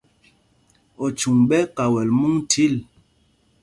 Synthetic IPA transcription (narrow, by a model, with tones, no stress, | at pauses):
ɔ˨t͡ʃu˨ŋɓɛ˦ka˨wɛ˨lmu˦ŋtʰi˦˨l